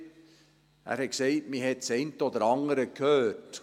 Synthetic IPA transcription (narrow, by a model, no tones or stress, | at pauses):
ʔæ̰ːɾhɛtkseɪtmiːɦɛtsɛɪntəod̪əɾɑŋəɾəkʰhøːt